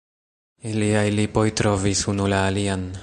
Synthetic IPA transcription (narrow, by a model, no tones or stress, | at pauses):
iliajlipo̞jtɾo̞visunulaːlian